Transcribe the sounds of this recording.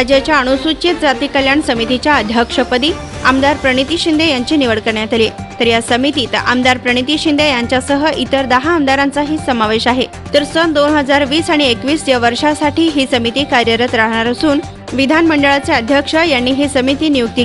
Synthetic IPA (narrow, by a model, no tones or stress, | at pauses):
ad͡ʑjat͡ɕjaəɽ̃usut͡ɕet̪̚d͡zat̪ikəljaɳsəmit̪it͡ɕjaəd̪ʱjəkʂəpəd̪iː | amd̪aɾpɾəɽ̃it̪iɕind̪ʱejaɲt͡ɕiniʋəɽkəɾɳjat̪alit̪əɾjasəmit̪iːt̪a̰md̪aɾpɾəɽ̃it̪iːɕind̪ʱejaɲt͡ɕjasəɦəʔit̪əɾd̪əɦaːmd̪aɾant͡saɦiːsəmaʋeɕaɦe | t̪əɾsənd̪onɦəd͡zaɾʋiːsaɽ̃iekʋiːsd͡ʑəʋəɾʂasaʈʰiːɦisəmit̪iːkaɾjəɾət̪ɾaɦɳ̃aɾəsuːn | ʋid̪ʱanməɳɖəɭat͡seəd̪ʱjəkʂəjanːiːɦisəmit̪iːnijuk̚t̪i